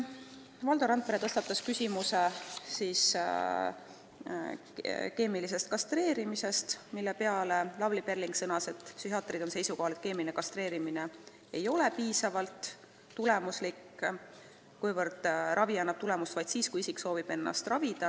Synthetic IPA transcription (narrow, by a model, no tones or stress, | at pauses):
vɑld̪oɾɑnpeɾet̪ɤst̪ɑt̪ːˑɑskysʲimusesiːs | ke̞ːmilise̞st̪̚kɑst̪re̞ːɾimise̞st̪milːe̞pe̞ɑle̞lɑblipe̞rliŋksɤnɑse̞t̪ːˑpsyhɑt̪ˑrid̪o̞nse̞jsuko̞ɦɑle̞t̪̚ke̞ːminekɑst̪ɾe̞ːɾimine̞ | e̞jo̞le̞piːsɑvɑlt̪ː | ule̞muslikː | kujvɤɾd̪̥rʔɑviɑnːɑb̥̚t̪ule̞must̪vɑjd̪̥siːskujisikːso̞ːvib̥e̞nːɑ̰st̪rɑvid̪̥ɑ